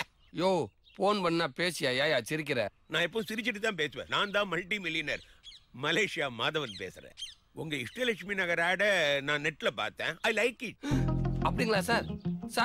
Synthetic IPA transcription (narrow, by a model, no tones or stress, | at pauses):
joː | foːnpɐnːaːpeːsɪjaːjaːjaːt͡ʃɪɾɪk̬ːɪɾɛ̃ | nãːɛpːõsɪɾɪt͡ʃːɪʈ̬ːɯt̪ãːp̬eːsɯʋḛ̃ːnãːnd̪ãːmɐlʈimɪlɪjɐnɐɾmɐleːʂɪjaːmaːðɐʋɐnpḛːsɪɾḛ̃ː | ʊŋɡɐɪsʈɐlɛkʂminɐɣɐɾaːɽɐnãːnɛʈːɪlɐpa̰ːɾt̪ːḛ̃ːɐɪlɐɪkɪʈ̚ɐpːɐɽɪŋɡɐɭaːsaːɾsaː